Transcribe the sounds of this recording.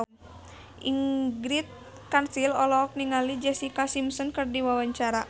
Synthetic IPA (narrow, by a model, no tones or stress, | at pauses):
ʔiŋɡɾit̪̚ | kansilɔlɔk̚niŋalid͡ʒɛsikasimsɔnkɨrdiwawaɲt͡ʃaɾa